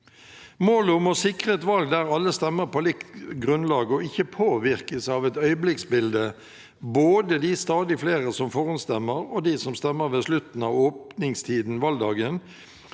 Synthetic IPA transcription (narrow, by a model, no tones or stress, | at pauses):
moːlʊmɔsɪkʁət̪ʋɑlɡ̚d̪æʁɑlːəst̪ɛmːəʁpʰɔlɪkt̪ɡʁʉnlɑːɡəɔɪçːəpʰoːʋɪʁkəsəɑːʋɛt̪œʏəblɪksbɪld̪ə | boːd̪əd̪ɪst̪ɑːd̪ɪfleːʁəsɔmfɔːʁʊnst̪ɛmːəʁɔd̪ɪsɔmst̪ɛmːəʁʋeːslʉt̪n̩ɑːʋoːpnɪŋst̪ʰiːd̪n̩ʋɑld̪ɑːɡən